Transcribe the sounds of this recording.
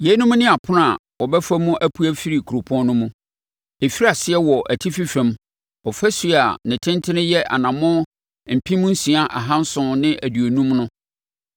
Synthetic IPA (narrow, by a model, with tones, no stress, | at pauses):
je˨˦nʊ̃˦m̃˦nɪ̃˦a˨pʰʊ˦n˦a˨ | wɔ˨bɛ˦fa˦mũ˦ʔæ˦pʰu˦æ˦fi˦ɾi˨kʰu˨ɾo˨pʰɔ̃˦n˦nʊ̃˦mũ˦ | e˨fi˦ɾa˨sɪ˦ɛ˦wɔ˨ʔæ˨tʰi˦fi˦fɛ̃˨m | ɔ˨fæ˦su˦˨a˨nɪ̃˨tʰɪ̃˦ntʰɪ˦nɪ̃˦jɛ˦ʔa̰˨nã˨mʊ̃˦ | m̩˨pʰĩ˦mʊ̃˦n̩˦sĩ˨a˦ʔa̰˨ɦã˦n̩˦sʊ̃˦nɪ̃˦ʔæ˨dɥo˨nũ˦mnʊ̃˦